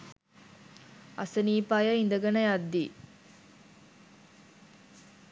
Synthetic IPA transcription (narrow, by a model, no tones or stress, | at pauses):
ɐsəniːpaːjɐind̪əɡɐnɐjad̪ːiː